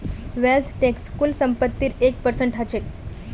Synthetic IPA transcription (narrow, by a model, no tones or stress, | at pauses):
ʋelt̪ʰʈekskulsəmpət̪ːiːɾːek̚pəɾsəɳʈɦət͡ɕek̚